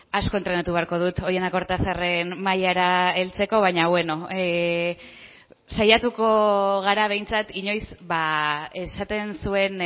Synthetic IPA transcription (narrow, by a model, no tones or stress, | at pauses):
asko̞ent̪ɾenet̪uβeaɾko̞ð̞ut̪oje̞nd̪akoɾt̪aθare̞nmajaɾae̞lt͡se̞ko̞β̞ajɲaβwe̞no̞ | sajat̪uko̞ɣ̞aɾaβ̞e̞jnt͡sat̪iɲo̞jsβae̞sat̪e̞nsue̞n